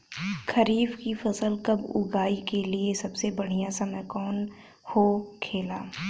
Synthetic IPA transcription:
kʰɐɾiːbkifɐsəlkɐbʊ̰ɡaːikeliesɐbsebɐɽ̤ijãsɐməjkɔːn | hokʰeːlaː

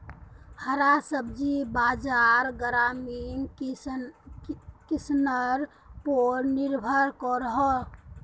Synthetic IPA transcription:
həɾasəbd͡ʒibad͡ʒaɾɡɾamin | kisnəɾ | poɾniɾbʱəɾkɔɾəɦɔ

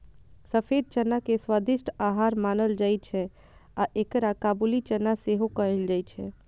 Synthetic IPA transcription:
səpʰed̪̚t͡ʃənːakeswad̪ɪʃʈaɦaɾmaːnəld͡ʒajt͡ʃʰɛ | aʔekɾakaːbulit͡ʃənːaseɦokəɦɛld͡ʒajt͡ʃʰɛ

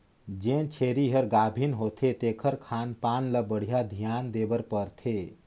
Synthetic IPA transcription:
d͡ʒẽːnt͡ʃʰeːɾiɦəɾɡaːbʱinɦot̪ʰet̪ekʰəɾkʰaːnpaːnləbəɽ̤ijad̪ʱijaːnd̪eːbəɾpəɾt̪ʰeː

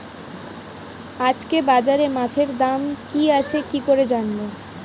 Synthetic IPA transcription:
ad͡ʑkebad͡ʑaɾemat͡ɕʰeɾd̪amkiat͡ɕʰekikoɾed͡ʑanbo

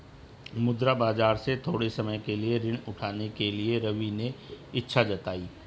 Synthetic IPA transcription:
mʊd̪ɾabaːd͡ʒaːɾset̪ʰoːɽesɐməjkelieɾɪɳ̃ʊʈʰaːnekelieɾɐʋineɪtːʃʰad͡ʒɐt̪aːiː

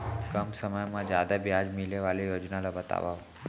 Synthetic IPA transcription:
kəmsəməjmãd͡ʒjad̪abjad͡ʒmileʋalijoːd͡ʒnalabət̪a̰ʋa

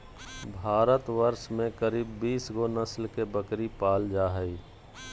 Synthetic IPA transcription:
bʱaːɾət̪ʋəɾʃmẽkəɾiːbːiːsɡonəslkebəkɾipaːld͡ʒaːɦəiː

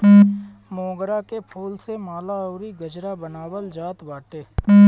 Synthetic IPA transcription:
mõːɡɾakepʰuːlsemaːlaoːɾiɡəd͡ʒɾabənaːwəld͡ʒaːt̪baːʈeː

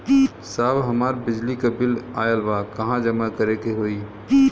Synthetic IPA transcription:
saːbɦɐmaːɾbɪd͡ʒlikabɪlaːjəlʋakɐɦãd͡ʒəmakəɾekeɦoːiː

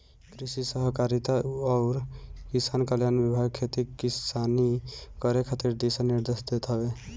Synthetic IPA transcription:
kɾisisəɦəkaɾit̪aɔʊɾkisankəljanbibʱaɡ̚kʰet̪ikisanikəɾekʰat̪iɾd̪esənːiɾd̪esd̪et̪ɦəbe

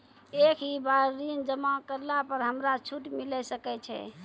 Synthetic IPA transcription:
ekʰibaɾːind͡ʒəmakəɾlapəɾɦəmɾat͡ʃʰuʈmilɛsəkɛt͡ʃʰɛ̰

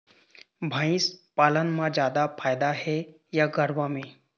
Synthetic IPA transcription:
bʱãĩspaːlənmãd͡ʑjaːd̪afʰaːjd̪aɦɛ | jaɡəɾʋamẽ

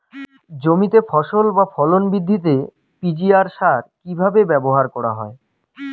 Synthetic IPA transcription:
d͡ʑomit̪efʰɔʃolbafʰɔlonbid̪ʱːit̪̬e | pid͡ʑiaɾʃaɾkibʱabebɛboɦaɾkɔɾa̰ɦɔ̰e

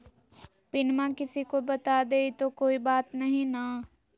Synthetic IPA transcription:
pɪnmãkɪsikobɐt̪aːd̪eːit̪okoːibaːt̪nɐɦĩna

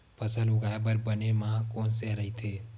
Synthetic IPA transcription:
pʰəsəlʊɡaːebəɾbənemãkoːnseɾɐɦit̪ʰeː

